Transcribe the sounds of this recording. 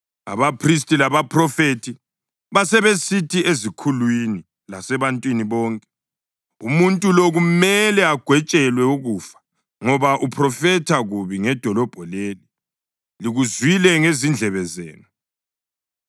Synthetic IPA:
a̰βapʰris̬tʼilaβapʰrɔfetʰi | βasɛβesitʰiezikʰulwini | lasɛβantʼwiniβɔːŋkʼɛ̥ | umuntʼuloɣumɛlɛaɡ̥ʱwɛt͡ʃʼɛlwɛuɣuːfḁ | ŋɔβaʔupʰrɔfɛtʰaɣuβiŋɛd̥ʱɔlɔb̥ʱɔleːli | liɣuzwilɛŋezind͡ɮʱɛβɛzḛːnɔ

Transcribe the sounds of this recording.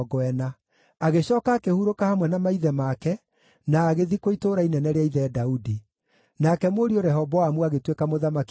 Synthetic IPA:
ɡɔɛna | aɣeɕɔːkaːkehuɾokahamwɛnamaiðɛmakɛ | naːɣeðikoitoːɾainɛnɛɾeaiðɛːdaudi | nakɛmoɾioɾɛɦɔbɔamuaɣetwekamoðamak

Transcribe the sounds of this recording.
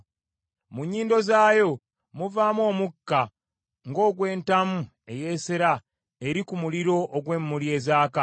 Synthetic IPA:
muɲːiːndo̞zaːjo̞ | muvaːmwo̞ːmukːa | ŋɡo̞ːɡwe̞ːntamu | e̞je̞ːseɾa | eɾikumuliɾo̞ʔːɡwe̞ːmːulje̞ːzaːka

